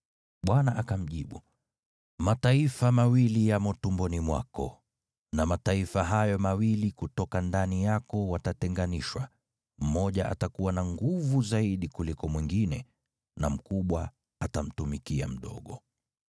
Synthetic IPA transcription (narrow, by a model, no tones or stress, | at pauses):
ɓwanaʔakam̩ʄiɓu | mataifamawilijamɔtumbɔnimwa̰kɔ̰ | namataifaɦajɔmawilikutɔkandanijakɔwatatɛŋɡaniʃwa | m̩mɔʄaʔa̰takuwanaŋɡuvuzaiɗikulikɔmwiŋɡinɛ | nam̩kuɓwa | atam̩tumikia̰m̩ɗɔ̰ɠɔ